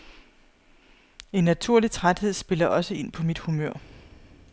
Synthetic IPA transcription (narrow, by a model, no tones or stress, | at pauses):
e̝nːæt͡sʰuɐ̰lit͡sʰʁad̥he̝ð̞̰ˠsb̥e̝lɐʔɒ̽səe̝n̰pʰɒ̽mid̥humøɐ̰